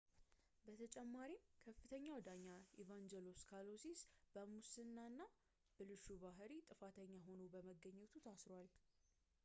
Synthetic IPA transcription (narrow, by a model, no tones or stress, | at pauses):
bət̪ʰət͡ʃʼɛmːaɾimkʰəfːɨt̪ʰəɲːawd̪aɲːaivand͡ʒɛlo̞skʰalosisb̥əmusɨnːanːa | b̥əlɨʃuβaɦɾit̪ʼɨfat̪ʰəɲːaɦo̞nobəməɡːəɲːɛt̪ʰut̪ʰasɾwal